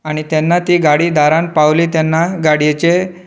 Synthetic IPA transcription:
aɽ̃it̪janːat̪iːɡaɽiːd̪aɾãnpaʋliːt̪anːaɡaɽjet͡ɕe

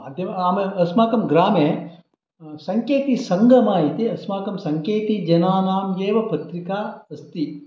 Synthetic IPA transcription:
aːd̪ʱjɐmaːmeɐsmaːkɐmɡɾaːmeː | sɐŋkeːt̪isɐŋɡʱɐmaːjit̪iɐsmaːkɐmsɐŋkeːt̪id͡ʒɐnaːnaːmjeːʋɐpɐt̪ɾikaːɐst̪i

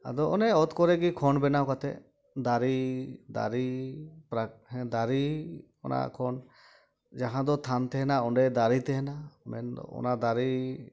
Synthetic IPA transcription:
a̰d̪ɔʔɔnɛɔt̪kɔɾɛɡikʰɔnbɛnaɔkat̪ɛ̰ | d̪aɾid̪a̰ɾipɾaɦɛ̃d̪aɾi | ɔ̰na̰kʰɔn | d͡ʒaɦãd̪ɔt̪ʰant̪ɛɦɛnaɔɳɖɛd̪aɾit̪ɛɦɛnamɛ̰n̰ɔ̰nad̪aɾi

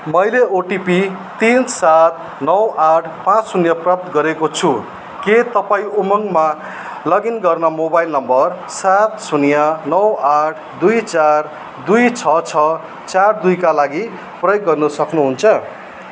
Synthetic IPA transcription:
mʌjleoʈipi | t̪insat̪̚ | nʌwʔaʈʰpãt͡ssunjʌprʌp̚t̪ɡʌɾekot͡sʰu | ket̪ʌpaĩumʌŋɡma | lʌɡinɡʌrnʌmobajlnʌmbʌr | sat̪sunjʌnʌwaʈʰd̪ujt͡sar | d̪ujt͡sʰʌt͡sʰʌ | t͡sard̪ujkalaɡi | prʌjoɡːʌrnʌsʌknuɦunt͡sʰʌ

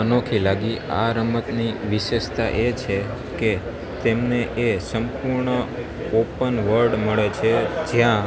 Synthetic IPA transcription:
ənokʰilaɡia̰ɾəmət̪niʋiʃeʃt̪aʔet͡ʃʰe | ke | t̪emneʔesəmpuɾɳə | opənʋəɾɖməɭet͡ʃʰed͡ʒjã

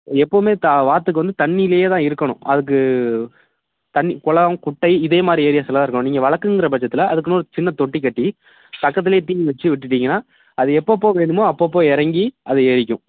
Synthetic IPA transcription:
ɛpːoːmeːt̪aʋaːɾt̪ːɯkːɯʋɐnd̪ɯt̪ɐɳːijlejeːt̪ãːɪɾɯkːɐɳʊ̰̃ʔɐðɯk̬ːɯ | t̪ɐɳːikʊɭɐɐ̃kʊʈːɐɪɪðeːmaːd̪ɾieːɾɪjaːsɐlɐðãːɾkːɐɳʊ̃niːŋɡɐʋɐɭɐɾkːɯŋɡɪɾɐp̬ɐt͡ʃːɐt̪ːɪlɐʔɐðɯkːɯnːɾɯt͡ʃɪnːɐt̪ɔʈːikːɐʈːi | p̪ɐkːɐt̪̬ːɪlejːt̪iːŋiʋɛt͡ʃːɯʋɪʈ̬ːɯʈːiːŋɡɐnːaː | ɐðɯɛpːoːpːoːʋeːɳɖɯmoɐpːoːp̬ːoːɛɾɐŋɡiɐðɯeːɾɪkʲːʊ̰̃

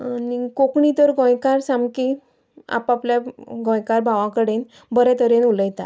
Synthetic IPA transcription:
nikokɳit̪əɾɡʱɔ̃jkaɾsamki | a̰papljaɡʱɔ̃jkaɾbʱaʋãkəɽen | bəɾɛ̃t̪ʰəɾenuləjt̪a̰

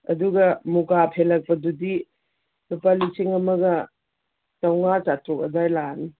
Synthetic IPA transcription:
ɐ̰duɡɐmukapʰelɐk̚pɐdudi | lupalisiŋɐmɐɡɐ | tawŋasatok̚ɐ̰dajlani

